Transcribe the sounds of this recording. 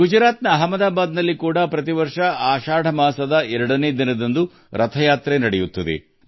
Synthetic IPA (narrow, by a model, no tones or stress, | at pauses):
ɡud͡ʒɾaːt̪nɐɦɐmɐd̪aːbaːd̪nɐlːikuːɽɐpɾɐt̪̬iʋɐɾʂɐaːʃaːɽʱɐmaːsɐd̪ɐɛɾɐɽɐneːd̪inɐd̪ɐnd̪u | ɾɐt̪ʰɐjaːt̪ɾenɐɽɛjut̪ːɐd̪ḛ